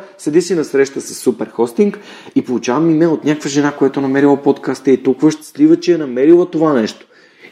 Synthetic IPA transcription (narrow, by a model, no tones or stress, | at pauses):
sɛd̪isinɐsɾɛʃt̪əsɐ̥sːupɛɾxɔst̪iŋk | ipolˠut͡ʃavɐmimɛot̪nʲakəkvəʒɛnakojat̪onɐmɛɾilˠəpot̪kast̪ɛit̪ukvəʃt̪slivət͡ʃɛɛnɐmɛɾilˠət̪ovanɛʃt̪o̥